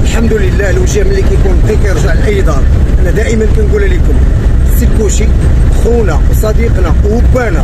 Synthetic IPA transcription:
ʔəlħamd̪uləlːælwʒæməlːikæjkunkækæjəɾˤʒaʕəlʔəjd̪ˤɑɾˤʔænæd̪æʔəmənkænɡulælikʊm | əsilkuʃi | ʔxunæwsˤɑd̪iqnæwʊbːænæ

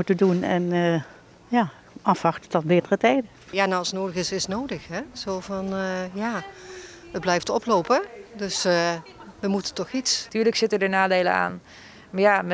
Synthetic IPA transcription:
mutədunɛn | jaː | ɑfɑχtətɔtbɪːtərətɛjdə | jaːnawɑlˠsnoːdəɣɪsɪsnowdəχɦɛz̥oːvɑnjaː | əd̚blɛjftɔplowpədɵs | ʋəmutətɔχitstyːɹləksɪtədənaːdejləa̰ːn | mjam

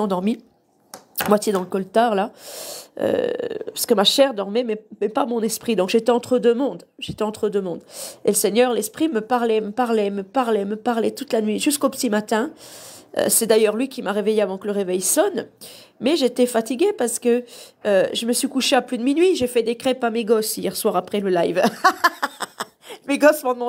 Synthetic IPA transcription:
ɑ̃d̪ɔʁmi | mwat̪jed̪ɑ̃ləkɔlt̪aʁla | ø̰pḁsə̥kəmaʃɛʁd̪ɔʁmɛmɛmɛpamɔ̃nɛspχid̪ɔ̃kʒet̪ɛɑ̃t̪χəd̪ømɔ̃d̪ʒet̪ɛɑ̃t̪χəd̪ømɔ̃d̪eləsɛɲœʁlɛspχiməpaʁlɛməpaʁlɛməpaʁlɛməpaʁlɛt̪ut̪lanɥiʒyskopə̥t̪imat̪ɛ̃ | ø̰sɛd̪ajœʁlɥikʲimaʁevejeavɑ̃kələʁevɛjsɔn | mɛʒet̪ɛfat̪iɡʲepaʁsə̥kə | øʒəməsɥikuʃeaplyd̪əminɥiʒefɛd̪ekχɛpameɡɔsijɛʁswaʁapχɛləlajv | meɡɔsmɑ̃d̪mɑ̃

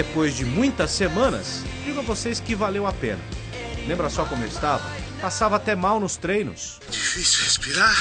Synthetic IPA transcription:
epojzd͡ʒɪmũj̃t̪ɐsemɐ̃nɐ̰s | d͡ʒiɡõavoseskɪvalewapḛ̃nɐ̰ | lẽmbɾɐsɔkõmʊḛwɪst̪avɐ̰ | pasavɐat̪ɛmawnʊst̪ɾejnʊ̰s | d͡ʒifisiwhespiɾaɾ

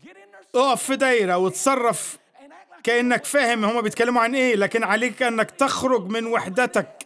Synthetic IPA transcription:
ʔoʔæfːid̪æjɾæwet̪sˤɑrˤːɑf | kæʔanːækfæːhɪmhomːæbejt̪kælːemuʕanʔeːlæːkɪnʕaleːkæʔænːækt̪æxɾoɡmɪnwaħd̪æt̪æk̚

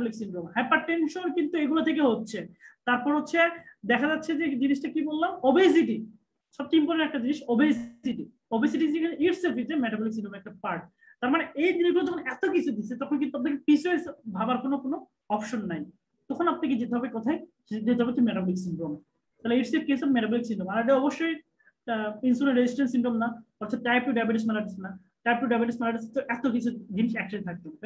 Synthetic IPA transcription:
bɔliksiɳɖɾomɦɛpaɾʈenʃonkint̪ueɡulat̪ʰek̬eɦotːɕʰet̪aɾpɔɾɦotːɕʰed̪ɛkʰad͡ʑatːɕʰed͡ʑed͡ʑiniʃʈakibolːamobes̬iʈi | ʃɔb̚t̪imponeɾɛk̚ʈad͡ʑiniʃobesiʈi | obes̬iʈiekʰniɾsefit̪emɛʈabɔliksinɖɾomɛk̚ʈapaɾʈ̚ | t̪aɾmaneejd͡ʑiniʃɡulat̪ɔkʰonɛt̪okit͡ɕʰud̪it͡ɕʰet̪ɔkʰonkint̪uap̚d̪eɾkepisuesbʱabaɾkonokono | ɔpʃonːaj | t̪ɔkʰonapnek̬ed͡ʑet̪eɦɔbekɔt̪ʰaj | ed̪et̪eɦɔbet̪emeʈabɔliksiɳʈɾom | t̪ʰaliɾsep̚kesɔbmeʈabɔliksiɳʈomalaɖeɔboʃːoj | insuneɾed͡ʑisʈenʈsiɳʈomnaɔʈ̪ːʰatːajpuɖajbeʈismɛlaʈasʰena | t̪ajpuɖajbeʈismɛlaɖasʰet̪oʔɛt̪okit͡ɕʰud̪iniʃɛk̚ʈaet̪ʰak̚t̪ome

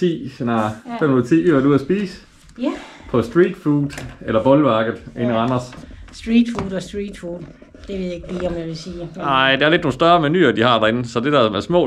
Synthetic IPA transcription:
t͡sʰḭːsenɑfemnuð̩ˠt͡sʰḭːyæd̥uð̰ˠɐsb̥iːsə̥ | pʰɒ̽sd̥ʁiːd̥fuːd̥ˠelɐb̥ɒ̽lʋɑ̈ːɡ̥əð̩ˠe̝nəʁɑnɐssd̥ʁiːd̥fuːdɒsd̥ʁiːd̥fuːd̥ | d̥e̝ʋe̝ðˠjeɡ̥l̥iɒmjaɪʋelsiːnɑ̈ɪ̰d̥eæɐle̝d̥no̝ːn̩sd̥ɶɐmæny̰ːɐd̥ihɑ̈d̥ɑ̈e̝nəsɒ̽d̥e̝d̥æɐmæɐsmɔ̰̽ː

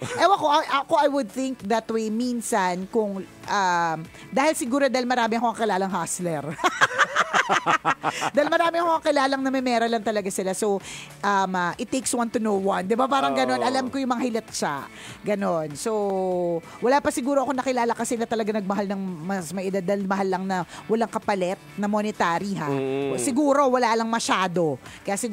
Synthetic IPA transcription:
ʔɛwɐko̞ʔɐʔɐko̞ʔɐjwʊd̪̚θɪŋk̚ðɐt̪wejminsɐnkʊŋʔam | d̪aːhɪlsɪɡuːɾod̪aːhɪlmɐɾaːmɪʔɐkoʔɐŋkɪlaːlɐŋɦaslɛɾ | d̪aːɪlmɐɾaːmɪɐkoɐŋkɪlaːlɐŋnɐmɛmɛːɾɐlɐŋt̪ɐlɐɡasɪlasowʔɐmɐʔɪt̪ːejkswɐnt̪ʊnowwɐnd̪ɪbapaːɾɐŋɡɐno̞nʔɐlamkojʊŋmɐŋahɪlɛt̪̚ʃaʔ | ɡɐno̞nso | wɐlaːpɐsɪɡuːɾo̞ʔɐko̞nɐkɪlaːlɐkɐsɛnɐt̪ɐlɐɡanɐɡ̚mɐɦalnɐŋmɐsmɐjʔɪd̪ad̪ːɐlmɐɦalːɐŋnɐwɐlaŋkɐpɐlɛt̪̚nɐmonɪt̪aːɾiɦasɪɡuːɾo̞wɐlalɐŋmɐʃaːd̪o̞kɐjaːsɪ

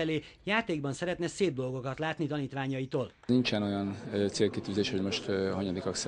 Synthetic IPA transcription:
ɛleːjaːt̪eːɡ̚bɒnsɛɾɛt̪nɛseːb̚d̪o̞lɡo̞kɒt̪laːt̪nit̪ɒniːt̪ʋaːɲɒjit̪oːl | nint͡ʃɛno̞jɒnt̪seːlkit̪yːzeːʃho̞ɟmo̞ʃt̪ɒɲod̪ikɒks

